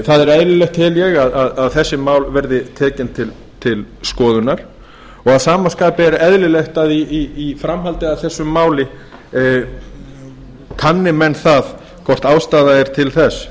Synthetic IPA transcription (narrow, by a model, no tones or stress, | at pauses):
θaðɛɾɛðlɪleht̪hɪljɛɣaðaðaðθɛsːɪmaːwlvɛɾðɪt̪ʰɛːcɪnt̪ʰɪl | t̪ʰɪlskɔːðʏnaɾ̥ | ɔɣaðsaːmaskaːpɪɛɾɛðlɪleht̪aðiiːfɾamɦalt̪ɪaðθɛsːʏmːaːwlɪ | kʰanːɪmɛnθað | kʰɔr̥t̪aːwst̪aːðaɛɾ̥t̪ʰɪlθɛs